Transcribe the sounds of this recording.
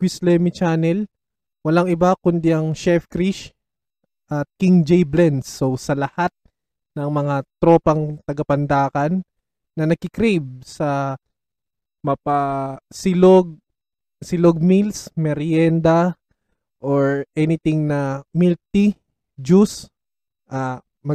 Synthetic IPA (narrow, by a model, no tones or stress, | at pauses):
kwislɛmɪt͡ʃaːnɛl | wɐlaŋɪbakʊnd̪ɪʔɐŋʃɛfkɾiʃ | ʔɐt̪̚kiŋd͡ʒɛjblɛnsːosɐlɐhat̪̚ | nɐŋmɐŋat̪ɾo̞ːpɐŋt̪ɐɡɐpɐnd̪aːkɐnː | ɐnɐɡ̚kɪkɾejb̚sɐ | mɐpasɪloɡ̚ | sɪloɡ̚milsmɛɾjɛnd̪ɐ | ʔoɹʔɛnɪt̪ɪŋnɐmilt̪i | d͡ʒus | ʔɐ | mɐ